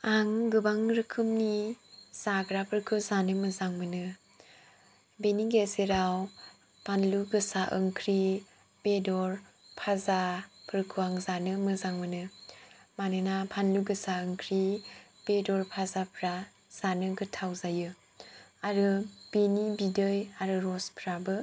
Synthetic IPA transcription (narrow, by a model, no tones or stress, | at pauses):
aŋɡɯbaŋɾɯkʰɯmniz̥aɡɾapʰɯɾkʰɯzanɯmɯzaŋmɯnɯ | beniɡeseɾaw | pʰanluɡɯsaʔɯŋkʰɾi | b̥edɔɾ | pʰazapʰɯɾkʰɯaŋzanɯmɯzaŋmɯnɯ | manɯnapʰanluɡɯsaɯŋkʰɾi | b̥edɔɾpʰazapʰɾa | z̥anɯɡɯtʰawzajɯ | aɾɯb̥enibidɯjaɾɯɾɔspʰɾabɯ